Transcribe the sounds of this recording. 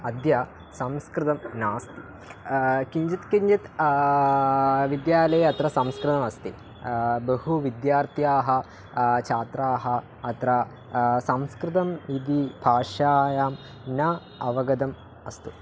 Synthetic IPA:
ɐd̪jɐ | sɐmskɾɪt̪ɐmnaːst̪i̥ | kiɲd͡ʒit̪kiɲd͡ʒit̪ | ʋid̪jaːlɐjɐɐt̪ɾɐsɐmskɾɨt̪ɐmɐst̪ḭ | behuʋid̪jaːɾt̪ʰjaːɦɐ | t͡ʃʰaːt̪ɾaːɦɐː | t̪ɾɐ | sɐmskɾit̪̬ɐmid̪ibʱaːʂaːjaːm | nɐ | ɐʋɐɡɐd̪ɐm | ɐst̪u

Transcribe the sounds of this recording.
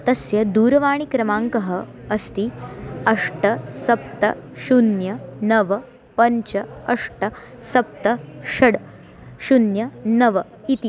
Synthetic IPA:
t̪ɐsjɐd̪uːɾɐʋaːɳ̃ikɾɐmaːŋkɐɦɐ | ɐst̪iɐʂʈɐsɐp̚t̪ɐ̰ʃunjɐnɐʋɐ | pɐɲt͡ʃɐɐʂʈɐ | sɐp̚t̪ɐʃɐɽ | ʃunjɐnɐʋɐ | it̪i

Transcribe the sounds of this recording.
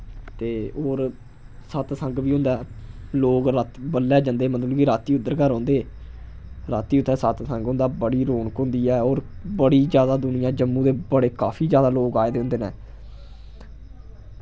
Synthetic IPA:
t̪eːoːɾ | sət̪səŋɡʋiːɦʊ̃nd̪aːloːɡɾaːt̪bəlːɛːd͡ʒə̃nd̪eːmət̪lkiːɾaːt̪iːʊd̪ːəɾkaːɾɔ̃ːnd̪eː | ɾaːt̪iːʊt̪ʰːɛːsət̪sə̃ŋɡɦʊ̃ːnd̪aːbəɽiːɾoːɳkõːnd̪iːɛːoːɾbəɽiːd͡ʒjaːd̪aːd̪ʊnɪjãːd͡ʒəmːũːd̪eːbəɽeːkaːpʰiːd͡ʒjaːd̪aːloːɡaːeːd̪eːõnd̪eːnɛː

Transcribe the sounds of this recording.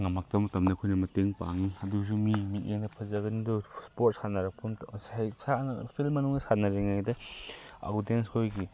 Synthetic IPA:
ŋɐmɐk̚tɐmɐtɐmnɐkʰojnɐmɐteŋpa̰ŋiɐdus̬umimiʔeŋnɐpʰɐzɐɡɐnidɔspot̚sanɐɾɐpʰunsajsansilmɐnuŋdɐsanɐɾeŋajdɐa̰wdenskʰojɡi

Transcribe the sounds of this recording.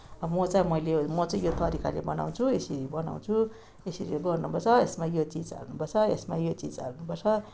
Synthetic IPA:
mʌt͡saj̃mʌjlemʌt͡saĩjot̪ʌɾika̰lebʌna̰w̃t͡sʰuesiɾibʌna̰w̃t͡sʰu | esiɾiɡʌrnupʌrt͡sʰʌesmajot͡sid͡za̰lnupʌrt͡sʰʌesmajot͡sid͡za̰lnupʌrt͡sʰʌ

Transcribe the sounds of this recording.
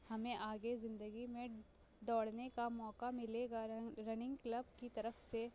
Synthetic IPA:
hɐmẽʔaːɡezɪ̃nd̪əɡimẽ | d̪ɔːɽnekamɔːkamɪleːɡaɾɐnɪ̃ŋɡkləb̚kit̪ɐɾəfse

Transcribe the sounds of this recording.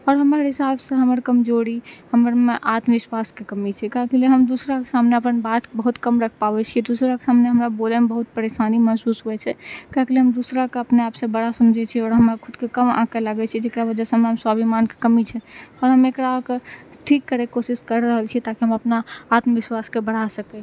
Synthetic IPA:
ɔːɾɦəməɾɦisabsẽɦəməɾkəmd͡ʒoɾihəməɾmeʔat̪mʋiswaskekəmit͡ʃʰɛkakeleɦəmd̪usɾake̥samneəpənbat̪bəɦut̪kəmɾəkʰpabɛt͡ʃʰiɛd̪usɾake̥samneɦəmɾabolemebəɦut̪̚pəɾesaniməsusɦoɛt͡ʃʰɛkakeleɦəmd̪usɾakeəpneapsə̃bəɽasəmd͡ʒʱɛt͡ʃʰiɔːɾɦəməɾkʰʊd̪kekəmã̰keləɡɛt͡ʃʰɛd͡ʒekɾaβəd͡ʒɛsə̃meɦəmswabʱimanke̥kəmit͡ʃʰɛɔːɾɦəmekɾakeʈʰikːəɾekosiskəɾɾəɦəlt͡ʃʰiɛt̪akiɦəməpnaːt̪mʋiswaskebəɽ̤asəkɛ

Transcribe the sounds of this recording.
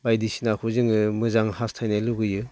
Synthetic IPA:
bajdisinakʰuzɯŋɯmɯzaŋhastʰajnaluɡɯjɯ

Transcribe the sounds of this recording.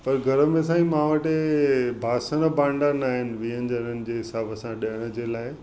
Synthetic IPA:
pɐɾɡʱɐɾəmẽsãːĩmãːʋəʈebʱaːsəñəbãːɳɖanaːɦɪnɪ̆ʋiɦə̃ɲd͡ʑənənɪ̆d͡ʑeːɦɪsaːbəsãɗɐəɽ̃əd͡ʑeːlaːɪ

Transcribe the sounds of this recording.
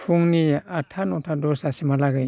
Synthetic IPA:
pʰuŋniatʰanɔtʰadɔsasimalaɡɯj

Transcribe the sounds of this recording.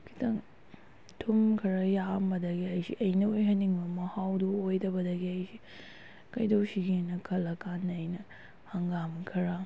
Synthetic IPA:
kʰi̥tʰɐŋ | tʰumkʰɐɾɐjambɐdɐɡiɐjsḭʔɐjnɐojɦɐnːiŋbɐmɐhawduojdɐbɐdɐɡiɐjsi | kɐjdowsiɡenːɐkʰɐlːɐkʰanːjnɐ | hɐŋɡamkʰɐɾa

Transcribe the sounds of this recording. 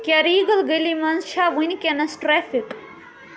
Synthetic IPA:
kʲjaɾiːɡɐlɡɐlimɐnzʃʰaːʋunʲkʲɐnɐsʈɾɛːfik

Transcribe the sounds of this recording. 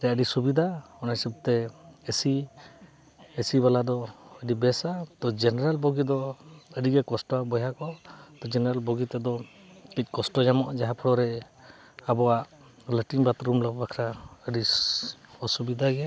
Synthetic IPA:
t̪ɛəɖisubid̪ʱaɔnajsib̚t̪ɛesi | esibalad̪ɔəɖibɛsat̪ɔd͡ʒɛnɛɾalbɔɡid̪ɔəɖiɡɛkɔsʈɔabɔjakɔt̪ɔd͡ʒɛnɛɾalbɔɡit̪ɛd̪ɔ | kic̚kɔsʈɔd͡ʒamɔʔd͡ʒaɦapʰɔɽɔɾɛ | abɔwaʔ | ləʈiŋbat̪ɾumlabakʰɾaəɖi | ɔsubid̪ʱaɡɛ

